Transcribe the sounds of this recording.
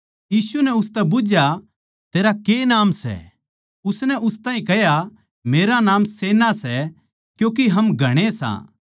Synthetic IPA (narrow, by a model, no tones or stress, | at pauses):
jiːsunɛʊst̪ɛbʊd͡ʒja | t̪eːɾakenaːmsɛ̰ | ʊsnɛʔʊst̪aːĩkɛɦja | meːɾanaːmseːnasɛ | kjũːk̬iɦɐmɡʱɐɽ̃esã̰ː